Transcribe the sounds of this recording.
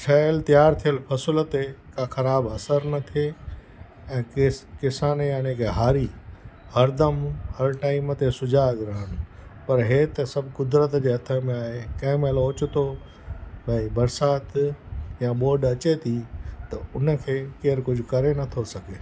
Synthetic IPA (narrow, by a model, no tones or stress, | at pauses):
t͡ʃʰɐəlt̪ijaːɾt̪ʰijəlpʰɐsʊlət̪ekãxɐɾaːbɐsəɾnɐt̪ʰie | ɛ̃ːkɪsaːnjaneːkeɦaːɾihɐɾd̪əmhɐɾʈaːimət̪esʊd͡ʑʱaɡɾəɦənpɐɾɦeːt̪ɐsɐbʱkʊd̪ɾət̪d͡ʑeːɦɐt̪ʰəmẽaːɦekɐ̃ːɪmelɦoːt͡ɕʊt̪o | bɐibɐɾsaːt̪jãboːɖɐt͡ɕet̪ʰit̪ɐʊnə̆kʰeːkeːɾkʊd͡ʑʱʊkɐɾenɐt̪ʰosɐɡeː